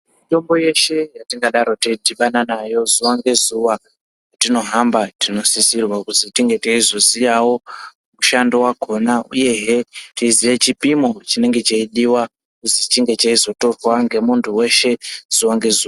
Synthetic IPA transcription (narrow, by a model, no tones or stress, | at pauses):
mito̞mbo̞je̞ʃe̞jatiŋɡaɗaɾo̞teidiɓananajo̞zuwaŋɡe̞zuwa | jatino̞ɦambatino̞sisirwakuzitiŋɡe̞teizo̞zijawo̞ | kuʃandowako̞nauje̞ɦetiizijet͡ʃipimo̞t͡ʃine̞ŋɡe̞t͡ʃeiɗiwa | kuzit͡ʃiŋɡe̞t͡ʃaizo̞to̞rwaŋɡe̞muntʰuwe̞ʃe̞z̥uwaŋɡe̞zuːa